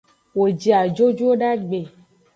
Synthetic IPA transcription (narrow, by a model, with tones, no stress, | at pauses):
wo˨d͡ʒi˨a˨d͡ʒo˦d͡ʒu˦o˦ɖa˦ɡ͡be˨